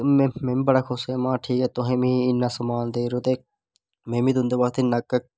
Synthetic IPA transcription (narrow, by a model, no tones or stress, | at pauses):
mẽmẽːmiːbəɽaːkʰʊseːmãːʈʰiːkɛːt̪ʊɦẽːmĩːɪnːaːsəmaːnd̪eːɾoːt̪eː | mẽːmĩːt̪ʊ̃nd̪eːbaːkt̪ʰenəkək